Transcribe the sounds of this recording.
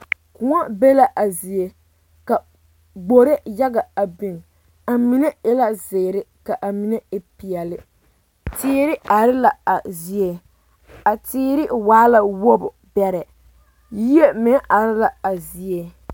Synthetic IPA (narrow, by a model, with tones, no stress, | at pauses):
kʊ˨ŋa˦be˦la˨ʔa˨zi˨e˦ | ka˨ | ɡ͡bo˨ɾɪ˦ja˦ɡa˨a˨bi˨n˨ | a˨mi˨ne˦ɪ˦la˦zɪː˨ɾɪ˦ka˨ʔa˨mi˨ne˦ɪ˨pi˨ɛ˨lɪ˦ | tɪː˦ɾɪ˦a˨ɾɪ˦la˨a˨zi˨˦e˨ | a˨tɪː˦ɾɪ˦waː˦la˨wo˦bʊ˨ | bɛ˦ɾɛ˨ | ji˦e˦mɪ˨˦a˨ɾɪ˦la˨a˨zi˨e˦